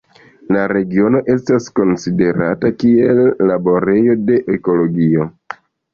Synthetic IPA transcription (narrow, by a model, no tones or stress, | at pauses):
laɾe̞ɡio̞no̞ʔe̞stasko̞nside̞ɾa̰takie̞lːabo̞ɾe̞jo̞de̞ʔeko̞lo̞ɡio̞